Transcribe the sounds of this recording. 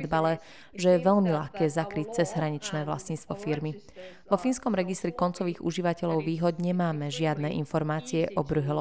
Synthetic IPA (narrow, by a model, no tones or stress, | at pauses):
d̪balɛ | ʒɛjɛʋɛʎmilaxkɛːzakɾiːc̚t͡sɛzɦɾaɲit͡ʃnɛːʋla̰sɲitst̪ʋɔfiɾmi | ʋɔfinskɔmɾɛɡist̪ɾikɔnt͡sɔʋiːɣṵʒiʋacɛʎɔʊʋiːɦɔd̪ɲɛmaːmɛʒɪad̪nɛʔinfɔɾmaːt͡siɛʔɔbɾuɦɛl